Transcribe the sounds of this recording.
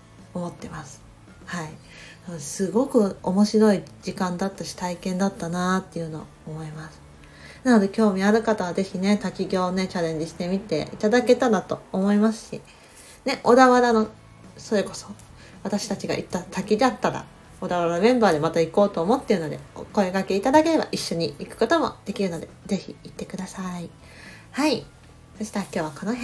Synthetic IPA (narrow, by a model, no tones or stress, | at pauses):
o̞mo̞t̪ːe̞masɨ̥ | hai | sosɨɡo̞kɯ̟o̞mo̞ɕiɾo̞id͡ʑikãnd̪at̪ːaɕi̥t̪aikẽnd̪at̪ːanat̪ːe̞jɯ̟no̞ːmo̞imasɨ̥ | nano̞d̪e̞kʲo̞ːmʲiaɾɯ̟kat̪aβaze̞çine̞t̪akʲiɡʲo̞ːne̞t͡ɕaɾẽ̞ɲ̟d͡ʑiɕi̥t̪emʲit̪e̞̰it̪ad̪ake̞t̪and̪at̪o̞omo̞imasɨ̥ɕi | ne̞ʔo̞d̪aβaɾano̞ | so̞ɾe̞ko̞̥so̞ | βat̪aɕi̥t̪at͡ɕiɡa̰ʔḭt̪ːasakʲid̪eat̪ːaɾa̰ | o̞d̪aβaɾamẽ̞mbaːd̪e̞mat̪aiko̞ːt̪o̞ːmo̞t̪ːeɾɯ̟nod̪e̞̰ko̞ekake̞it̪ad̪ake̞ɾe̞ba̰ʔiɕːo̞ɲ̟iikɯ̟̥ko̞t̪o̞mo̞̰d̪̥e̞kʲiɾɯ̟no̞d̪e̞ze̞çʲḭit̪ːe̞kɯ̟d̪asai | hai | seɕi̥t̪aɾakʲo̞ːβakonoɦ